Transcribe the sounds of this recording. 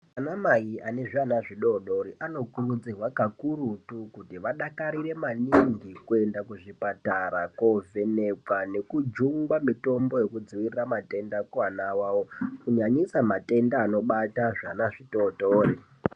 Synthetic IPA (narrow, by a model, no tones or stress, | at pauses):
anamajiane̞ʐanaʐiɗoɗo̞ɾiʔano̞kurud͡zirwakakurutukutiʋaɗakaɾire̞maniŋɡikue̞ndakuʐipataɾako̞vʱe̞ne̞kwane̞kud͡ʒuŋɡwamito̞mbo̞je̞kud͡ziwiriramate̞ndakuwanawaːwokuɲaɲisamate̞ndaːno̞ɓataʐanaʐiɗo̞ːtoːri